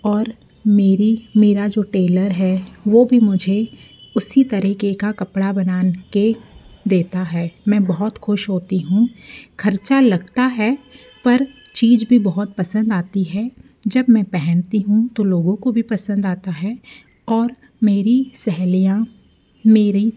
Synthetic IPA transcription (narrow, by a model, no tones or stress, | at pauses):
ɔːɾ | meːɾimeːɾad͡ʒoːʈeːləɾɦɛːʋoːbʱimʊd͡ʒʱe | ʊsit̪ɐɾəɦkekakɐpɽabɐnaːnked̪eːt̪aɦɛːmɛ̃ːbɐɦʊt̪xʊʃɦoːt̪iɦũːkʰɐɾt͡ʃalɐɡt̪aɦɛ | pɐɾ | t͡ʃiːd͡ʒbʱibɐɦʊt̪̚pɐsə̃nd̪aːt̪iɦɛ | d͡ʒɐbmɛ̃pɛɦɛ̃nt̪iɦũt̪oloːɡõkobʱipɐsə̃nd̪aːt̪aɦɛː | ɔːɾ | meːɾisɛɦlijã | meːɾi